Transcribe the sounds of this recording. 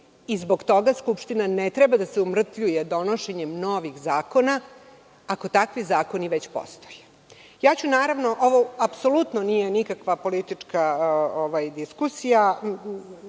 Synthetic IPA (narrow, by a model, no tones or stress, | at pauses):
izbo̞ɡt̪o̞ɡaskupʃt̪inanet̪ɾɛbad̪aseumr̩t̪ʎujed̪o̞noʃeɲemnoʋixzaːko̞naː | ko̞t̪akʋizaːko̞niʋet͡ɕpo̰st̪oje | jaːt͡ɕunaːɾaʋno̞ʔoʋoapso̞lut̪nonijenikakʋapo̞lit̪it͡ʂkaoʋajd̪iskusija